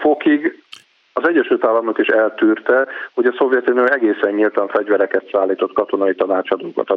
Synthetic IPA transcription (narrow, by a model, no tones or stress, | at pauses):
fo̞kiɡ | ɒzɛɟːɛʃylt̪aːlːɒmnokiʃɛlt̪yːrt̪ɛho̞ɟɒso̞vjɛt̪ynoɛɡeːsɛɲːilt̪ɒɱfɛɟvɛɾɛkɛt̪saːlːiːt̪o̞t̪kɒt̪o̞nɒit̪ɒnaːt͡ʃɒd̪okɒ̰t̪ɒ